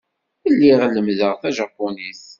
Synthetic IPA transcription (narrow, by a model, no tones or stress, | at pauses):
əlːiʁlːəmðəʁθæʒɑpːunis